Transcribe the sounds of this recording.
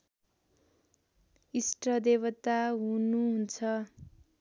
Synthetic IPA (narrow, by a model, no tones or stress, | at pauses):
isʈrʌd̪eβʌt̪aɦunuɦunt͡sʰʌ